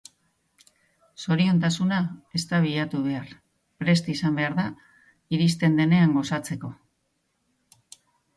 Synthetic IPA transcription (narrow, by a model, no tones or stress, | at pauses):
so̞ɾio̞nt̪asunae̞st̪aβiʎat̪uβ̞e̞ar | pɾe̞st̪isambe̞aɾða | iɾist̪e̞nd̪e̞ne̞aŋɡo̞sat͡se̞ko̞